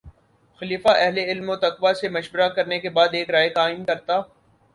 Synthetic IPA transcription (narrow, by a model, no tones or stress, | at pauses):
xɐliːfaʔɛɦleɪlmot̪ɐqʋasemɐʃbəɾakɐɾnekebaːd̪eːkɾaːjekaːɪnkɐɾt̪aː